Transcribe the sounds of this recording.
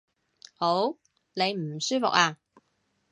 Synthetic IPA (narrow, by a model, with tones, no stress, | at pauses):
ho˨˥w | ne˨˧jm̩˨˩syː˥fʊ˨k̚aː˧